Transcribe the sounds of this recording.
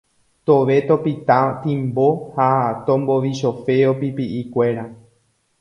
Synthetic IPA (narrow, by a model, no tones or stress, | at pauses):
t̪oʋe̞t̪o̞pit̪ãt̪ĩmbo̞hat̪õmboʋiʃo̞fe̞opipiʔikʷeɾa